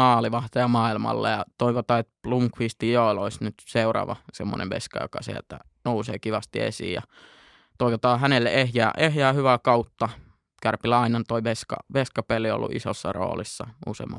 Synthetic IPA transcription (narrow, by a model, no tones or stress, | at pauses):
ɑːliʋɑht̪ɑjɑmɑːilmɑ̰lːḛjɑt̪oiʋot̪ɑːet̪pluŋkʋist̪ijoˑoloisnyt̪seurɑ̰ːʋɑsemːo̰nḛʋʋḛskɑ̰jo̰kɑsielt̪æ̰ | nousḛːkiʋɑst̪iḛsḭːjjɑ̰ | t̪oiʋot̪ɑːhænelːḛʔehjæːʔehjæːhyʋækɑut̪ːɑ | kærpilɑinɑnt̪oiʋeskɑ̰ʋeskɑpelːˑio̰lːṵʔḭso̰sːɑro̰ːlisːɑṵsḛˑmːɑ̰